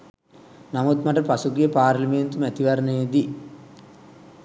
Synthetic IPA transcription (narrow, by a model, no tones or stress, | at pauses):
namut̪maʈəpasuɡijəpaːɾlɐment̪umæt̪iʋɐɾənəjəd̪i